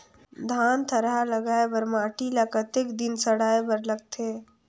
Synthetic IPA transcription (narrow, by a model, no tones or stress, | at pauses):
d̪ʱaːnt̪ʰəɾɦaləɡaːebəɾmaːʈilakət̪ɪkd̪ɪnsəɽaːebəɾləɡ̚t̪e